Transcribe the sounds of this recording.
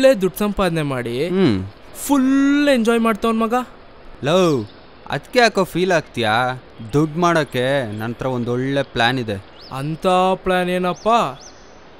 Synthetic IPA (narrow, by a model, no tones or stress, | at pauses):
eːd̪uɖsɐmpaːd̪nemaːɽi | pʰuleɲd͡ʒɔːjmaːɖt̪aʋonmɐɡɐ | low | ɐ̰d̪kːeaːkoːpʰiːlaːɡ̚t̪ijaː | d̪uɖmaːɽokːenɐnɐt̪ɾɐond̪ɔɭːe̞pɭaːnid̪e | ɐ̰nt̪aplaːneːnɐpːaː